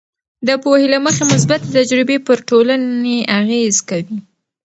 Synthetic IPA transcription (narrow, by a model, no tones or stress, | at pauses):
d̪əpohelaməxemʊs̬bat̪̚ət̪ad͡ʒɾibepəɾʈolaneaɣezkawi